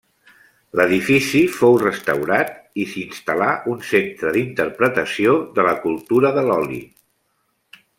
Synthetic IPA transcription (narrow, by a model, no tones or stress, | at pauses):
ləðifisifowrəst̪əwɾat̪isinst̪əlaʔunsent̪ɾəðint̪əɾpɾət̪əsioðələkulˠt̪uɾəðəlɔlḭ